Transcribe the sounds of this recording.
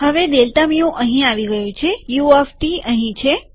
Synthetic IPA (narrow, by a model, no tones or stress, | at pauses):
ɦəʋed̪elt̪amijõʔəɦĩaʋiɡəjũt͡ʃʰejuefʈiəɦĩt͡ʃʰe